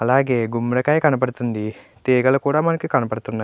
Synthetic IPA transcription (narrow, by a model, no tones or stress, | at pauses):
ɐlaːɡe̞ːɡumːɽɐkaːjɐkɐnɐp̬ɐɽt̪und̪it̪eːɡɐlɐkuːɽaːmɐnɐkːikɐnɐpɐɽut̪unːaː